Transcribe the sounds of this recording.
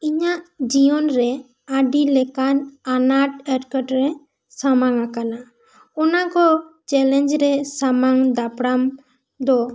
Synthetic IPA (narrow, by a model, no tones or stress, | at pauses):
iɲaʔd͡ʒiɔnɾɛ | aɖilɛkananaʈɛɾkəʈɾɛ | samaŋakana | ɔnakɔt͡ʃɛlɛnd͡ʒɾɛsamaŋd̪apɽam | d̪ɔ